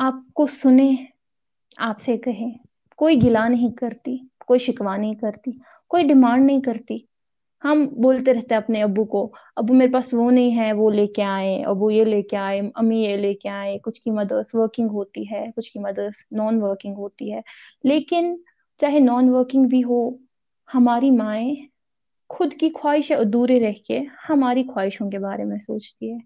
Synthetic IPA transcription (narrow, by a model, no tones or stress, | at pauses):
aːp̚kosʊnẽː | aːpsekɐɦẽː | koːiɡɪlanɐɦĩkɐɾt̪ikoːiʃɪkʋanɐɦĩkɐɾt̪i | koːiɖɪmãːɳɖnɐɦĩkɐɾt̪i | hɐmboːlt̪eɾɛɦt̪eɦɛ̃ɐpneɐbuko | ɐbumeːɾepaːsʋonɐɦĩɦɛʋoleːkeaːẽɐ̰bujeleːkeaːeɐmĩjeleːkeaːẽkʊt͡ʃʰkimɐd̪əsʋəɾkɪ̃ŋɡɦoːt̪iɦɛːkʊt͡ʃʰkimɐd̪ədsnɔːnʋəɾkɪ̃ŋɡɦoːt̪iɦɛː | leːkɪn | t͡ʃaːɦenɔːnʋəɾkɪ̃ŋɡbʱiɦo | hɐmaːɾimaːẽ | xʊd̪kikʰwaːɪʃɛd̪uːɾeɾɛɦkehɐmaːɾikʰwaːɪʃõkebaːɾemẽsoːt͡ʃt̪iɦɛː